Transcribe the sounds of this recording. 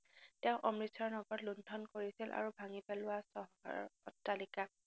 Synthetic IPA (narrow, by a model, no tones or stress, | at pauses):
tɛʊ̃ʔɔmɹisʰɔɹnɔɡɔtlundʱɔnkoɹisilʔa̰ɹubʱaŋipɛlʊwasɔɦa̰tːalika